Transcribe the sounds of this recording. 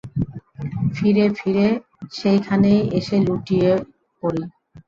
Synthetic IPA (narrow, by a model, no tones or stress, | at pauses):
fʰiɾefʰiɾe | ʃejkʰanejeʃeluʈije | poɾi